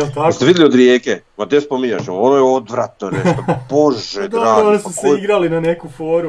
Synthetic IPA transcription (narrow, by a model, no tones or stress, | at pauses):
t̪aost̪eid̪jeliod̪ɾjeːke | mad̪espomiɲa̰ʃeonojeo̞d̪ʋɾat̪noneʃoboʒed̪ɾaonisuskeiɡɾalinanekufoːɾu